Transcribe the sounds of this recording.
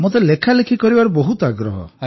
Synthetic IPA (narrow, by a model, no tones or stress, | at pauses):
mot̪̬elekʰalekʰikɔɾibaɾubɔɦut̪aɡɾɔ̰ɦɔ̰